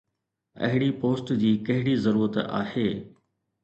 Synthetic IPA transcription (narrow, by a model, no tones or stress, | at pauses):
ɐ̰ɦɪɽipoːsʈd͡ʑiːkɐɦɪɽizɐɾuːɾət̪a̰ːheː